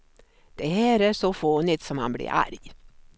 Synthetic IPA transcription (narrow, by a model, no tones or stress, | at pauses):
d̪̥ɛɦæːɾæʂɔfoːnɪt̪sɔmha̰nblɪ̰ɾa̰ɾj